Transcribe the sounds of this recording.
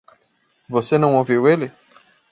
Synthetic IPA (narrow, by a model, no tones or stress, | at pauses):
vosenɐ̃w̃ɔ̃vewele